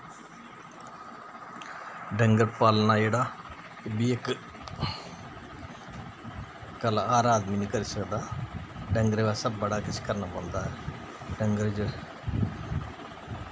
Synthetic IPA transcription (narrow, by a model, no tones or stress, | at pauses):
ɖəŋɡəɾpaːlnaːd͡ʒeːɽaː | biːek | kəlaːɾaːd̪miːnĩːkəɾiːsəkd̪aːɖəŋɡəɾeːʋasəbːəɽaːkɪt͡ʃʰkəɾnaːpãnd̪aːɦɛː | ɖəŋɡəɾd͡ʒə